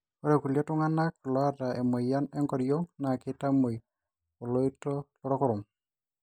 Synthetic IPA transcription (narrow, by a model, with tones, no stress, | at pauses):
kɔ˦ɾɛ˨ku˨lja˦tʊ˦ŋa˦na˦ku˨lɔ˦a˨ta˨e˨mo˨ja˦nɛ˦ŋkɔ˨ɾjo˦ŋna˨kɪ˦ta˦mo˨j | o˨lo˦itɔ˦lɔ˦ɾɔ˦kɔ˦ɾʊ˨m